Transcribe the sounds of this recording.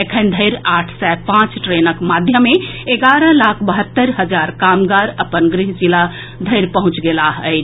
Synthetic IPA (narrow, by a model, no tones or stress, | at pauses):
ekʰənd̪ʱəɪɾaʈʰsɛpãt͡ʃʈɾenəkmad̪ʱjəmːeeɡaɾəlakʰbəɦət̪ːəɾɦəd͡ʒaɾkamɡaɾəpənɡɾiɦd͡ʒila | d̪ʱəɪɾpəɦũt͡ʃɡelaɦət͡ʃ